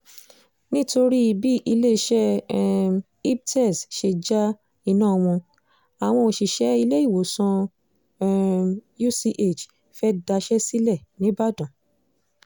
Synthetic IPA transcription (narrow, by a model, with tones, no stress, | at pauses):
nĩ˦to˧ɾi˦i˧bi˦ʔi˧le˦˧ʃɛ˦ | i˦b̚tɛ˦˨sʃe˧d͡ʒa˦ | i˧nãː˦˨˧w̃ɔ̃˧ | a˨w̃ɔ̃˧o˨ʃi˨ʃɛ˨˦i˧le˦i˦˨wo˨sɔ̃˧ | ju˦si˧ʔe˦˨t͡ʃ | fɛ˦da˧ʃɛ˦si˦lɛ˦˨nĩ˨˦ba˦dɔ̃˨